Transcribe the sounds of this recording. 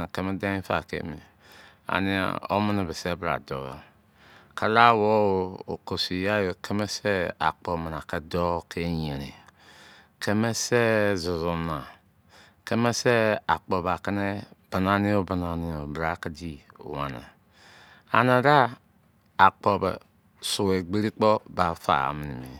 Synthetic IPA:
ke˦me˦da˦ĩ˦fa̰˨kḛ˦mi˨ | a̰˨ni˨a̰˨o̰˦mə˦ne˨bɛ˨sɛ˦bɾa̰˨dɔ̰˨˦o̰˨ | kʰa˦la˦wɔ˦o˨˦o˨ko˨si˨ja˦jo˨ke˦me˦sɛ˦a̰˨k͡pɔ˨mə˨na˨ke˦dɔ˦kʰe˦ɲe˨ɾi˨ | kʰe˦me˦sɛ˦zʊ˨zu˨na˨ | ke˦me˦se˦a˨k͡pɔ˨ba˨kɛ˦ne˦b̥ə˨na˨ni˦o˦ba˨na˨ni˦o˨bɾa˨˦kɛ˦d͡ʒḭ˦˨wa̰˨na̰˨ | a̰˨na˨ɾa˦ | a˨k͡pɔ˨bɛ̰˨ | su˨we˨ɡ͡be˦ɾi˦k͡pɔ˦ba˨fa̰˨a̰˨mi˨ni˨mḭ˨

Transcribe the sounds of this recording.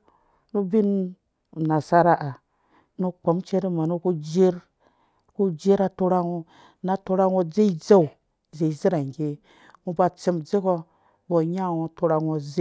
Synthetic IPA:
nu˦bi˦n˨ | na˨sa˦ɾa˦ʔa˨ | nu˦k͡po˨˦mt͡ʃe˦ɾi˦ma˨nu˦ku˦d͡ʒe˦ɾ | ku˦d͡ʒe˦ɾa˨tu˦ɾa˦ŋo˦ | na˦to˦ɾa˦ŋo˦d͡ze˦i˦d͡za˦u˨ | ze˨i˨zi˦ɾa˨ŋ˨ɡe˦ | mu˦ba˦˨t͡si˦md͡ze˦ko˦ | bo˨ɲa˦˨wo˦tu˦ɾa˨ŋo˦z

